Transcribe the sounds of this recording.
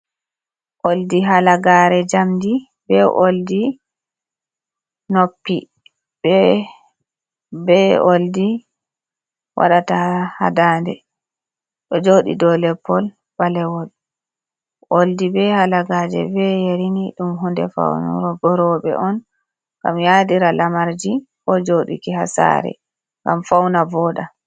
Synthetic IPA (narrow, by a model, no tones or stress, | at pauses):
ʔoldiɦalaɡaːɾɛd͡ʒamdi | bɛʔoldi | nopːi | bɛ | bɛoldi | wʔa̰ɗataha̰daːndɛ | ɗɔd͡ʒoːɗḭdɔlɛpːɔl | b̥alɛwɔl | ʔoldibɛhalaɡaːd͡ʒɛ̰bɛjeɾiniɗumɦundɛ̰fa̰wnṵɾɔɡɔɾɔɓɛ̰ʔɔn | ŋɡ̥a̰mjadiɾalamaɾd͡ʒikɔd͡ʒoɗḭkihasa̰ɾɛ̰ | ŋɡamfawnavɔːɗa